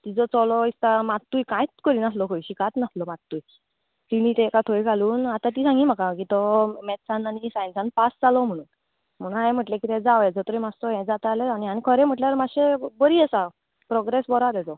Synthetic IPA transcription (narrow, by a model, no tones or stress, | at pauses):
t̪id͡zɔt͡sɔlɔist̪amat̪ːujkãjt͡skəɾinaslɔkʰɔjɕikat̪naslɔmat̪ːuj | t̪iɽ̃it̪ekat̪ʰojɡʱaluːnat̪ãt̪̬iːsãŋɡimakãkit̪ɔmɛd̪sananisajnsanpasd͡zalɔm̤əɽ̃uːn | m̤əɽ̃ũnajm̤əʈlekit̪ɛ̃d͡zaʋɛd͡zɔt̪ɾemast̪ɔɦɛ̃d͡zat̪aleañianikʰəɾem̤əʈljaɾmaɕebəɾiːəsa | pɾɔɡɾesbɔɾad̪ɛd͡zɔ